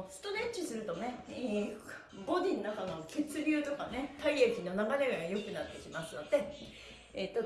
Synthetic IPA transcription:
sɨ̥t̪o̞ɾe̞t͡ɕisɨɾɯ̟t̪o̞ne̞ | bo̞d̪ʲinːakanooke̞t͡sɨɾʲɨ̟ːt̪o̞kane̞t̪aiakʲino̞naɡaneɡaajo̞kɯ̟nat̪ːe̞kʲimasɨno̞d̪e̞ | et̪ːo

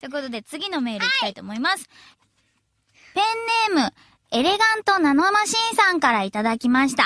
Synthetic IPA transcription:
t̪oko̞t̪o̞d̪e̞t͡sɨɡʲino̞me̞ːɾɯikʲi̥t̪ait̪o̞ːmo̞imasɨ̥ | pẽ̞nːe̞ːmɯ̟ | e̞ɾe̞ɡãnt̪o̞nanoamaɕĩɰ̃sãŋkaɾait̪ad̪akʲimaɕi̥t̪a

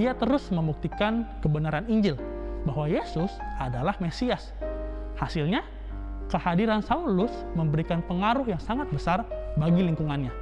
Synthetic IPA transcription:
iat̪əɾʊsməmbuk̚t̪ikankəbənaɾaniɲd͡ʒɪl | bahwajesʊsadalahmesias | hasilɲa | kəhadiɾansaulʊs | məmbəɾikanpəŋaɾʊɦjaŋsaŋat̪̚bəsarbaɡiliŋkuŋanɲa

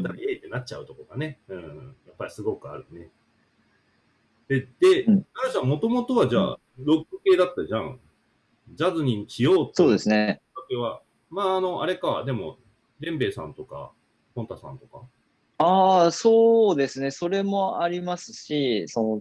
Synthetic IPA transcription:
t̪aieːt̪ːenat̚ːt͡ɕa̰ɯ̟t̪o̞koɡane̞ɯ̟̃ɴjapːaɾʲisɨɡo̞kɯ̟a̰ɾɯ̟ne | d̪̥e̞d̪̥e̞aɾɯsãmo̞t̪o̞mo̞t̪o̞βad͡ʑa̰ː | ɾo̞kːɯke̞ːd̪at̪ːaʑã̰ŋ | d͡ʑazɨɲ̟iɕijo̞ːso̞ːd̪e̞sɨnet̪akeβa | maːno̞ʔaɾe̞kaa̰d̪e̞mo̞̰ | ɾẽ̞mbe̞ːsã̰nt̪o̞ka̰ | hõ̞nt̪asã̰nt̪o̞ka | aːso̞ːd̪e̞sɨne̞so̞ɾe̞mo̞aɾʲimasɨ̥ɕisono

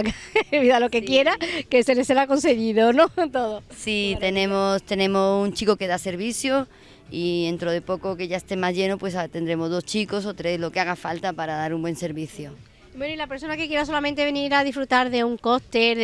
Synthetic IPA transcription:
βiðalo̞ke̞kje̞ɾakeseleselako̞nse̞ɣiðonõt̪oðosit̪e̞nẽ̞most̪e̞nẽ̞mosunt͡ʃikoke̞ðase̞ɾβiθjo | ie̞nt̪ɾoð̞e̞po̞koke̞ʝaest̪e̞mazʝe̞nopwe̞s̬at̪e̞nd̪ɾe̞mo̞zðo̞st͡ʃiko̞s̬o̞t̪ɾe̞slo̞keaɣ̞afalt̪apaɾaðaɾumbwe̞nse̞ɾβiθjo | mwenoilapeɾso̞nake̞kje̞ɾaso̞lamẽnt̪ee̞niɾað̞ifɾut̪aɾðe̞uŋko̞st̪eɾð

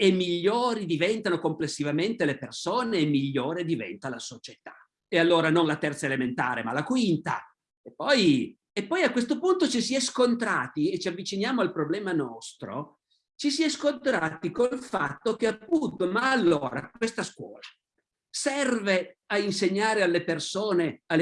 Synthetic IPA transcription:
emːiʎːoːɾid̪ivɛnt̪anokomplesːivament̪elepersoːneːmːiʎːoːɾed̪ivɛ̰nt̪alasot͡ʃet̪ḁ | ealːoːɾanonlat̪ɛrt̪saelement̪a̰ːɾema̰lakwint̪a̰ | epːɔj | epːɔjakːwest̪opunt̪ot͡ʃisiɛskont̪ɾaːt̪iet͡ʃiavːit͡ʃinjaːmoalpɾoblɛːmanɔst̪ɾo̰ | t͡ʃisiɛskont̪ɾaːt̪ikolfat̪ːok̟eapːunt̪omaːlːoːɾa̰kwest̪askwɔ̰ːla | sɛrveainseɲːaːɾealːepersoːnealːe

